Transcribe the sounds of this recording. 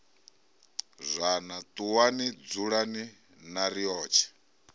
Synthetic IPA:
zʷanat̪ʼuwanid͡zuɺani | naɾijɔːt͡ʃʰɛ̥

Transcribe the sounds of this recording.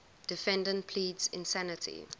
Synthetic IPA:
d̥ɪfɛ̃ndə̃ntpʰliːdzɪ̰̃nsænɪtʰḭ

